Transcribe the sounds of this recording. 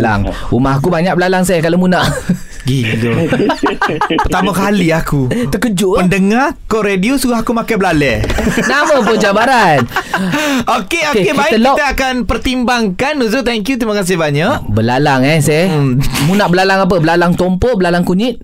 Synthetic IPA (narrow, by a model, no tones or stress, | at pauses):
la̰ŋumaɦakubaɲak̚bəlalaŋs̬ajkalamunaʔ | ɡilo | pərt̪amakaliakuəkəd͡ʒuəndəŋakɔɾediosuɡahakumakajbəlalɛnamãpod͡ʒabaɾan | okeokebait̪əlait̪əakanpərt̪imbaŋkanːuzut̪ɛŋkjut̪imakas̬ɪhbaɲaʔbəlalaŋɛsamunaʔbəlalaŋap̬əbəlalaŋt̪ɔmpɔʔbəlalaŋkuɲit̪̚